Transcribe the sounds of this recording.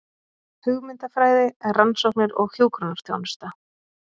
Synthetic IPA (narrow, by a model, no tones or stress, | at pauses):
hʏɣmɪnt̪afɾaːjðɪɛrransɔwhknɪɾɔɣçjoːwkɾɔnaɾ̥θjo̰wnst̪a